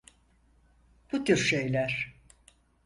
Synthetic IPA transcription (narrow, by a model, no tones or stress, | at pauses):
b̥ut̪ʰyɾʃe̞jlʲæɾ̥